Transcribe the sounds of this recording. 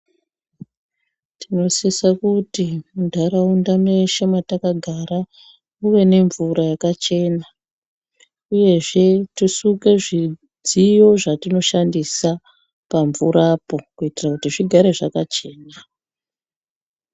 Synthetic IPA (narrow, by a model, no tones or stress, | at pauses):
tino̞sisakutimudʱaɾaundameʃamatakaɡʱaɾa | uʋe̞ne̞ɱvuɾajakat͡ʃe̞ːna | uje̞ʐe̞tisuke̞ʐi | d͡zijo̞ʐatino̞ʃandisa | paɱvuɾaːpo̞kuitirakutiʐiɡʱaɾe̞ʐakat͡ʃe̞ːna